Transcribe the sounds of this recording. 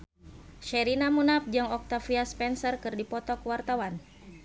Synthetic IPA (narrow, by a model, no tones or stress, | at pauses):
ʃɛɾinamunap̚d͡ʒɨŋɔk̚t̪afiaspɛnsərkɨrdipɔt̪ɔkwart̪awan